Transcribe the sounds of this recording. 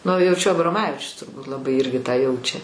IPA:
nʊ jɛʊ t͡ʃʲɛ ɐbroːˈmɑːʋʲɪt͡ʃʲʊs tʊrˈbuːt lˠɐˈbɐɪ ˈɪrʲɡʲɪ tɑː ˈjɛʊt͡ʃʲɛ

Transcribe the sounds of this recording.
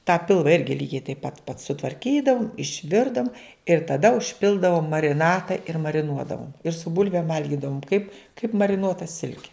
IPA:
tɑː ˈpʲɪlˠʋɐ ˈɪrʲɡʲɪ ˈlʲiːɡʲɛɪ tɐɪp pɐt pɐt sʊtʋɐrʲˈkʲiːdɐʋʊm ɪʃʲˈʋʲɪrdɐʋʊm ɪr tɐˈdɐ ʊʃʲˈpʲɪlˠdɐʋoːm mɐrʲɪˈnɑːtɐ ɪr mɐrʲɪˈnuɔdɐʋoːm ɪr sʊ ˈbʊlʲʋʲeːm ˈʋɐlʲɡʲɪdɐʋoːm kɐɪp kɐɪp mɐrʲɪˈnuɔtɐ ˈsʲɪlʲkʲɛ

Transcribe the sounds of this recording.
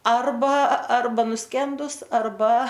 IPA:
ˈɐrbɐ ˈɐrbɐ nʊˈsʲkʲɛndʊs ɐrˈbɐ

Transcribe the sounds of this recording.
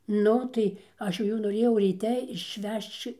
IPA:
ˈnʊ ˈtɐɪ ˈɐʃ jɛʊ ˈjuː noːˈrʲeːjɛʊ rʲiːˈtʲɛ ɪʃʲˈʋʲɛʃt͡ʃ

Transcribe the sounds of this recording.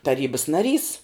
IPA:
tɐˈrʲiːbɐs nɐˈrʲiːs

